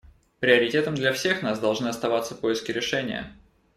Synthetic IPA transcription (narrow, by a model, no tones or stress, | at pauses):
pɾʲɪɐɾʲɪtʲet̪əmd̪lʲɐfsʲe̞xnasd̪ɐlˠʐnɨɐst̪ɐvat̪səpojɪskʲɪɾʲɪʂɛnʲɪ̰jə̰